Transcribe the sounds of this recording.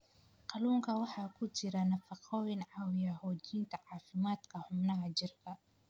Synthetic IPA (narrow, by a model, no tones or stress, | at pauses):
qɑluːŋkʰɐwɑħɑːkʰʊt͡ʃɪɾɐnɐfɑqʰɔwɪnʕɑwɪjɐhɔːd̪iːnt̪ʰɐʕɑːfɪmaːd̪kʰɐħʊbnɐɦɐt͡ʃɪrkʰɐ